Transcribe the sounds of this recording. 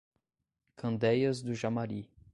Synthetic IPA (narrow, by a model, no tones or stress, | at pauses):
kʰɐ̃nd̪ɛjɐzd̪ʊʒamaɾi